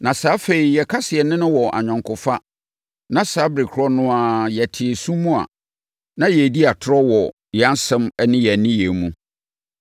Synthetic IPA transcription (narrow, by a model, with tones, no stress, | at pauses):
nã˨saː˨˦fe˨i˨jɛ˨kʰa˦sɪ˨ɛ˨nɪ̃˦nʊ̃˦wɔ˨ʔa̰˨ɲᶣɔ̃˨ŋkʰʊ˨fa˦ | nã˦saː˨˦bɾe˨kʰʊ˦ɾɔ˦nʊ̃˦a˨jɛ˨tʰɪ˨ɛ˨sũ˦mũ˦a̰˨ | nã˦jɛ˨di˦a˨tʰʊ˦ɾɔ˦wɔ˨ | jɛ˨a˦n˦sɛ̃˦mɛ˦nɪ̃˦jɛ˨nɪ̃˦jɛ˨mũ˦